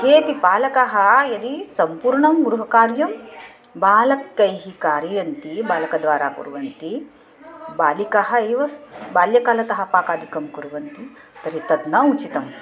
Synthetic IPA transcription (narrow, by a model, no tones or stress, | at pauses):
keːpipaːlɐkɐɦɐjɐd̪isɐmpuːɾɳɐmɡɾuɦɐkaːɾjɐm | baːlɐkːɐjɦikaːɾijɐnt̪ibaːlɐkɐd̪ʋaːɾa̰ːkṵɾuʋɐnt̪i | baːlikɐɦɐɐjʋɐbaːljɐkaːlɐt̪ɐɦɐ̆paːkaːd̪ʱikɐmkuɾuʋɐnt̪i | t̪ɐɾit̪ɐd̪nɐut͡ʃit̪ɐm